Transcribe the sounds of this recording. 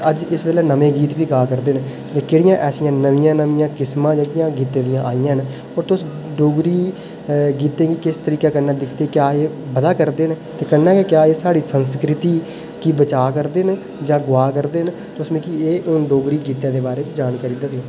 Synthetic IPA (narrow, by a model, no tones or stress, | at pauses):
əd͡ʒɪsbeːleːnəmẽːɡiːt̪ʋiːɡaːkəɾd̪eːn | d͡ʒãːkeːɽɪjãːʔɛːsɪjãːnəʋɪjãːnəʋijãːkɪsmãːd͡ʒãːkɪjãːɡiːt̪ẽːd̪ɪjãːʔaːijãːɦn | ɔːɾt̪ʊs | ɖoːɡɾiː | ɡiːt̪ẽːɡiːkɪst̪əɾiːkaːkənːaːd̪ɪkʰd̪eːkjaːeːbəd̪aːkəɾd̪eːn | t̪eːkənːaːkekjaːeːsaːɽiːsənskɾɪt̪iː | kiːbət͡ʃaːkəɾd̪eːn | d͡ʒãːɡʊaːkəɾd̪eːn | t̪ʊsmẽːkieːʔʊnɖoːɡɾiːɡiːt̪ãːd̪eːbaːɾeːt͡ʃd͡ʒaːnkaɾiːd̪aːsɪoː